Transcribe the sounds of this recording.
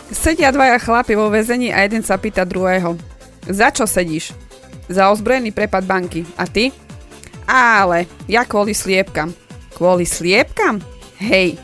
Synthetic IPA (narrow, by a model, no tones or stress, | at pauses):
sɛɟɪad̪ʋajaxlapiʋɔʋɛzɛɲiːʔa̰jɛd̪ɛnsapiːt̪ad̪ɾuɦɛːɦɔ | zat͡ʃɔsɛɟiːʃ | zaɔzbɾɔjɛniːpɾɛpad̪̚baŋkiʔat̪i | aːlɛjakʋʊɔlislɪɛp̚kamkʋɔlislɪɛp̚kamɦɛj